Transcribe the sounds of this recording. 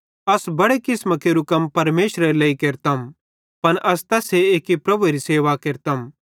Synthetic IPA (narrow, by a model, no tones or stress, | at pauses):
ɐsbɐɽekɪsməkeɾukɐmpɐɾmeːʃɾəɾelɐikeːɾt̪ɐm | pɐnʔɐst̪ɐseeːkipɾɐbʱuɾiseːʋakeːɾt̪ɐm